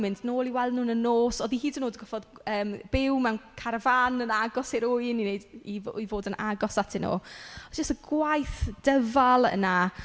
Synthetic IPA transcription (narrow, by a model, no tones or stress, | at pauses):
mɪndnoːlˠiwɛlˠdnuːnənːoːsɔðihiːdənoːdəɡɔfɔðəːmb̥ɪwmɛwnkʰaɾəvanənaɡɔseɾʊjninejdijvoːdənʔa̰ɡɔsatʰɪno̰ːɔdd͡ʒəstəɡwajθd̥əvalˠə̰na